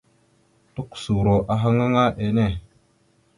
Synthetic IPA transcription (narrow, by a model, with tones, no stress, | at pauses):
tu˦ksu˨ɾo˨ʔa˨ɦa˦ŋa˦ŋa˦ʔe˨ne˦˨